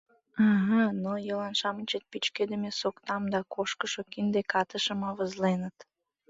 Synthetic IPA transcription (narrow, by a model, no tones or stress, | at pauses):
əɦənojəlɑnʃɑmənʲt͡ɕət̪̚pit͡ɕked̪əmesokt̪ɑmd̪ɑkoʃkəʃokind̪ekɑt̪əʃəmɑβəzlenət̪